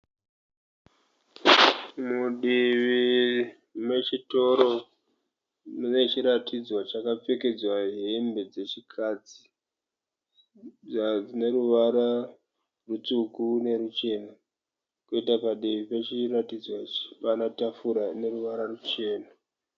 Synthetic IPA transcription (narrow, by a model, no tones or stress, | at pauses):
muɗiʋi | mwe̞t͡ʃito̞ɾo̞ | une̞t͡ʃiɾatʰid͡zwat͡ʃakap͡fe̞ke̞d͡zwaɦembe̞d͡ze̞t͡ʃikʰad͡zi̥ | ad͡zine̞ɾuʋaɾa | rut͡sukune̞rut͡ʃe̞ːna | kuitapaɗiʋipe̞t͡ʃiratid͡zwai̥panatafuɾane̞ruʋaɾarut͡ʃe̞ːna